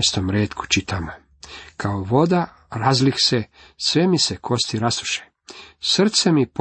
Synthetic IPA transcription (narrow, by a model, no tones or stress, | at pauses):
st̪omɾeːt̪ku̥t͡ʃit̪aːmo | kʰaoʋo̞d̪a | ɾazlixse | sʋemisekʰo̞st̪iɾast̪u̥ʃe̥ | sr̩t̪semip